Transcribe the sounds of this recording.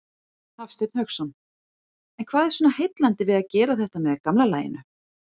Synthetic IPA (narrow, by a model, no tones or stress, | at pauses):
θafst̪ejt̪n̥hœxsɔn | ɛnkʰv̥aːðɛɾ̥sɔnahejt̪lant̪ɪvɪðaðcɛːɾaθɛht̪amɛðakamlalaːjɪ̰nʏ